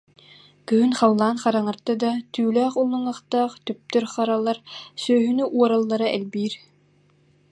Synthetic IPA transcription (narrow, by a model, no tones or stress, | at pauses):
kyɦynχɑlˠːaːnχɑɾaŋaɾt̪ɯd̪at̪yːlœːχulˠːɯŋaχt̪aːχt̪yp̚t̪œɾχɑɾalˠːaɾsœːɦynyʔuɔɾalˠːaɾaʔɛlbiːɾ